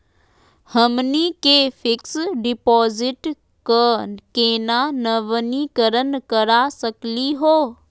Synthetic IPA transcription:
həmnikefɪksɖɪpɔːzɪʈ | kəkeːnanɐʋənikəɾənkɐɾasəkliɦoː

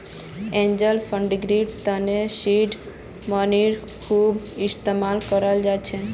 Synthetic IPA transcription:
ẽɲd͡ʒəlpʰə̃ɳɖɡɾiɖt̪ənesiɖ | məniɾ | kʰuːb | ɪst̪emalkəɾəld͡ʒat͡ʃʰe

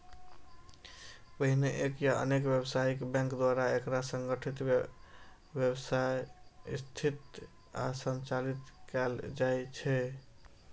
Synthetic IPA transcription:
pəɦineʔekjaʔə̰nekbjebsaikbɛ̃ŋkd̪waɾaekɾasə̃ŋɡəʈʰit̪ | bjebsajst̪ʰit̪ | a̰sənt͡ʃalit̪kɛld͡ʒajt͡ʃʰɛ

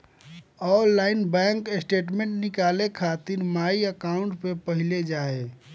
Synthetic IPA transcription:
ɔːɾːaːɪnbɛ̃ːŋkesʈeːʈmẽɳʈnɪkaːlekʰaːt̪ɪɾmaːiəkaːʊ̃ɳʈpepəɦɪled͡ʒaːe

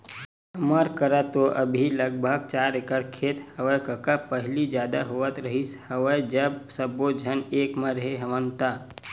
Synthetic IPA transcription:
ɦɐməɾkəɾat̪oʔəbʱiləɡ̚bʱəɡ̚t͡ʃaːɾekəɽkʰeːt̪həʋəjkəkapəɦlid͡ʒjaːd̪a̰ɦoət̪ɾəɦishəʋəjd͡ʒəbsəbod͡ʒʱəneːkməɾɦeɦəʋənt̪a

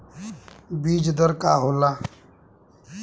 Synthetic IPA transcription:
biːd͡ʒd̪əɾkaːɦoːlaː

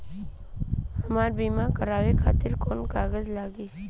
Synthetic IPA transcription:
ɦəmaːɾbiːmakəɾaːʋekʰaːt̪ɪɾkoːnkaːɡəzlaːɡeː

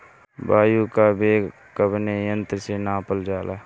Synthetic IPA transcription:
baːjukabeː | kəbnejə̃nt̪ɾəsenãːpəld͡ʒaːla̰ː

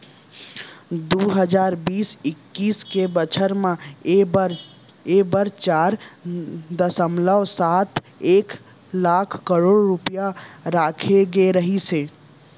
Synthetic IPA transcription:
d̪uɦəd͡ʒaːɾbiːsɪkːiːskebət͡ʃʰəɾmẽ | ɾ | ebəɾt͡ʃaːɾ | d̪əsəmləʋsaːt̪ʰ | eːk | laːkʰkəɾoːɽɾupjaɾaːkʰeɡeɾəɦiseː

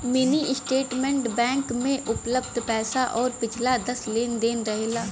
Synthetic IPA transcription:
mɪniːʔɪsʈeːʈmɛ̃ːɳʈbɛ̃ːŋkmẽʔʊpləb̚d̪ʱpɛːsaʔɔːɾpɪt͡ʃʰlaːd̪əsleːnd̪eːnɾəɦeːlaː

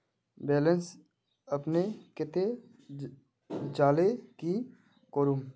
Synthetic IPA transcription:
bɛːləns | əpnekɪt̪e | d͡ʒaːleki | koːɾuːm

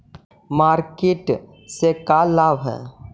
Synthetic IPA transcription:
maːɾkeʈ | sekalaːʋɦɛ̰

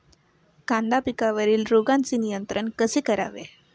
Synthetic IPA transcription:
kãnd̪apikaʋəɾiːlɾoɡant͡siːnijənt̪ɾəɳkəsikəɾa̰ʋḛ

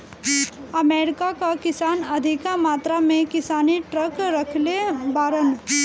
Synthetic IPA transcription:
ɐmeːɾɪkakakɪsaːnɐd̪ʱɪkamaːt̪ɾamẽkɪsaːniʈɾəkɾɐkʰlebaːɾən

